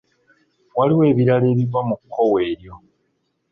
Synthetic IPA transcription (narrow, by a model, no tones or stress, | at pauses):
waliwe̞ːβiɾale̞ːβivamukʰːo̞we̞ːɾjo̞